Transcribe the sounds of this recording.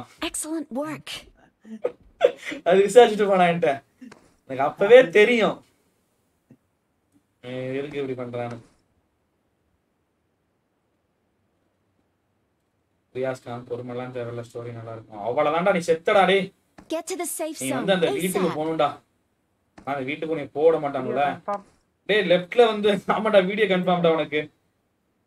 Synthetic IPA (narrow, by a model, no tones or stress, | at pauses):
ɛkslə̃ntwɜ˞k | ɐðɯkːɪsaːt͡ʃːɪʈːɯpɐːɽãːɛnʈːɛ | ɛnɐkːɐpːɐʋeːt̪ɛɾɪjʊ̃ | ɪɾɯkːɪpːɐɽipɐɳːɾãːnɯ | pʊɾɪjaːskaːnpɔɾɯmɐlːaːnʈɛɾɐlːɐsʈoːɾinɐlːaːɪɾɯkːõ̰ɐʋːaːɭɐt̪ãːɳʈaːnĩːsɛt̪ːɐɽãːɽeː | nĩːɡɐʋɐnd̪ɯɐnd̪ɐʋiːʈːɯkːɯpoːɳɯɳɖaː | nãːɪnd̪ɐʋiːʈːɯkːʊniɐpoːʋɐɽɐ̃maːʈːaːŋɡɐɭːɐ | ɽeːlɛfʈlɐʋɐnd̪ɯnaːmaːʈːaːʋiːɽɪjoːkɐɳɖpɐmʈaːʋɐnɐkːɯ